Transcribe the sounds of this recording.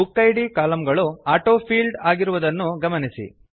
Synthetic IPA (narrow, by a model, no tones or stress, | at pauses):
ukːɐjɖikaːlɐmɡɐɭuaːʈoːpʰiːlɖaːɡiɾuʋɐd̪ɐnːuɡɐmɐnisḭ